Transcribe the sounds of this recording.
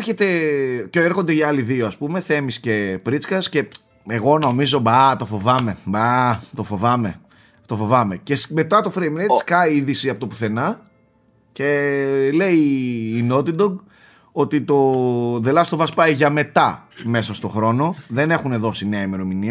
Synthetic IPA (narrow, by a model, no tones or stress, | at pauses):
çet̪e̞coeɾxo̞nd̪eʝɐɐliðioɐspume̞θe̞misce̞pɾit͡skɐsce̞ | eɣo̞no̞mizo̞bɐt̪o̞fo̞vɐme̞bɐt̪o̞fo̞vɐme̞ | t̪o̞fo̞vɐme̞ce̞sme̞t̪ɐt̪ofɾejmɾeskɐiiðisiɐpot̪opuθe̞nɐ | ce̞le̞iːno̞t̪id̪oɡ | o̞t̪it̪o̞ðelɐst̪ovɐspɐiʝɐme̞t̪ɐme̞sɐst̪o̞xɾo̞no̞ðe̞ne̞xune̞ðo̞sineɐime̞ɾo̞miniɐ